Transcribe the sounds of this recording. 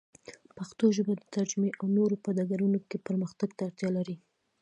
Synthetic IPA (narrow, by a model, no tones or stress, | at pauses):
paxt̪oʒəbad̪ət̪ad͡ʒmeʔawnoɾopad̪ɑɡaɾunokepəɾməxt̪aɡt̪aːɾt̪jɑlaɾi